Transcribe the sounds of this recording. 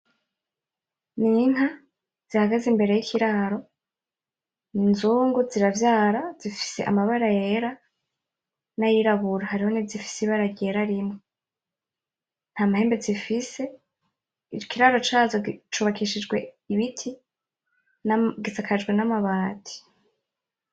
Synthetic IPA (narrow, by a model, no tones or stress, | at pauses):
nin̥ɦa | z̥ihaɡazimbe̞ɾe̞jikʰiɾaɾo̞ | ninzuːŋɡuziɾavjaːɾazifi̥se̞̰ʔa̰maβaɾajeɾa | najiɾaβuɾahaɾiho̞nivzifi̥siβaɾaɡɟe̞ɾaɾimŋo | n̥haːmahe̞ːmbe̞zifise̞ | it͡ʃokʰiɾaɾo̞t͡ʃaːzot͡ʃuːβakiʃid͡ʒɡwe | iβitʰi | ɡisakʰad͡ʒɡwe̞namaβaːtʰi̥